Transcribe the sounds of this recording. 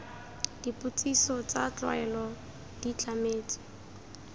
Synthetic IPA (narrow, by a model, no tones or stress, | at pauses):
d̥ipʼut͡sʼisɔt͡sat͡ɬwa̰ɛlɔ | d̥it͡ɬʰʼameːt͡sʼɔ̥